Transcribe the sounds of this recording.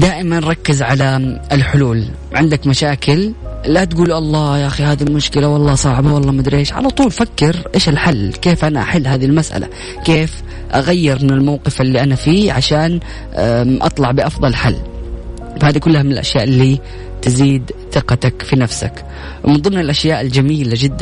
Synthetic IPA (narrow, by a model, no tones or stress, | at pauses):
d̪aːʔɪmanɾˤɑkːɪzʕalaɪlħʊluːl | ʕɪnd̪akmaʃaːkɪllat̪ɡuːlʔɑlˤːɑːjaʔaxihaːðilmʊʃkɪlawɑlˤːɑːsˤɑːʕbawɑlˤːɑːmad̪ɾeːʃʕa̰lɑt̪ˤuːlfakːɪɾʔeːʃɪlħalːkeːfʔanaʔaħɪlːɦaːðilmasʔa̰la̰ | keːf | ʔaɣajːɪɾmɪnɪlmawqɨfɪlːiʔanafiːʕaʃaːn | ʔɑ̰t̪ˤlɑʕbɪʔɑfðˤɑlħalː | fahaːðikʊlːahamɪnɪlʔa̰ʃja̰ːʔɪlːi | t̪ɪziːd̪θɪqɑt̪akfinafsa̰k | wmɪnðˤɨmnɪlʔaʃjaːʔɪld͡ʒamiːlad͡ʒɪd̪ːa